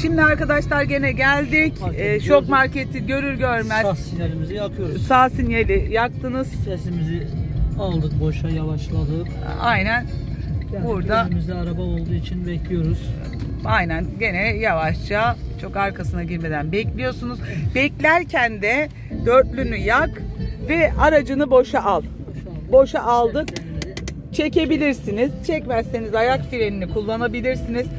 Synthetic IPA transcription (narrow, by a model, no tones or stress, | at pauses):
ʃimd̪iaɾkad̪aʃlˠaɾɟe̞nɛɟælʲd̪icːt͡ʃʰo̞kmaɾcʰet̪ʰiɟø̞ɾyɾɟø̞ɾmæzsinjelimizijapʰɯjoɾsaːsinjelʲɪjak̚t̪ʰɯnɯz̥sesimizɪalˠd̪ɯk̚bo̞ʃajavaʃlˠad̪ɯk | ajnæn | buɾd̪aymizd̪ɛaɾabao̞lˠd̪uːit͡ʃʰinbɛclʲijo̞ɾuz̥ | ajnænɟe̞nɛjavaʃt͡ʃat͡ʃʰo̞kaɾkʰasɯnaɟiɾme̞d̪ænbɛclʲijo̞sunuzbɛclʲæɾcʰænd̪ɛ | d̪ø̞ɾt̪lʲynyjakvɛaɾad͡ʒɯnɯbo̞ʃaʔalˠ | bo̞ʃaʔalˠd̪ɯk | t͡ʃʰe̞ce̞bilʲiɾsiniz̥t͡ʃʰɛcmæssenizajakfiɾeninikʰulˠːanabilʲiɾsiniz̥